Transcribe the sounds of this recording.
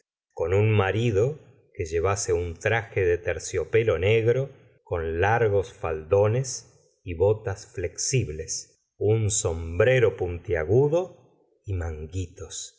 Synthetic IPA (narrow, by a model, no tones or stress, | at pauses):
ko̞nunmaɾiðo̞ | ke̞ʒe̞βaseunt̪ɾaxeðet̪eɾsjo̞pe̞lo̞ne̞ɣɾo̞ | ko̞nlaɾɣo̞sfald̪o̞ne̞s | iβo̞t̪asfle̞ksiβle̞s | unso̞mbɾe̞ɾo̞punt̪jaɣuðo̞ | imaŋɡit̪o̞s